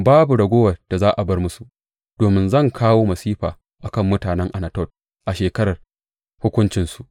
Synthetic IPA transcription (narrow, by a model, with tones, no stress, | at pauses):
baː˦bu˨ɽɐ˨ɡʷoː˦wɐ˨d̥a˨zaː˦ʔa˨bɐ˦rmʊ˦su˨ʔ | d̥oː˨mɪ˦nzɐ˦˨ŋkʰaː˦woː˦mɐ˨siː˦ɸaː˨ | ʔa˨kɐ˦˨mːʊ˦taː˨nɛ˦ŋʔa˨na˨tɔ˦˨t̚ | ʔa˨ʃeː˨kɐ˦ɾɐ˨r | hʊ˦kʷʊ˦nt͡ʃɪ˨nsu˨ʔ